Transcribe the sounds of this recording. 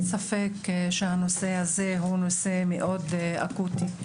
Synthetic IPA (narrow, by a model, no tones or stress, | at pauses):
safekʃehano̞se̞hazeɦuno̞se̞meʔo̞d̪a̰kut̪i